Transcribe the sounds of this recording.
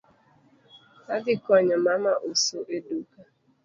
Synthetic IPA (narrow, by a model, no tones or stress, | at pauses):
adɪkɔɲamamaʔosoʔeduka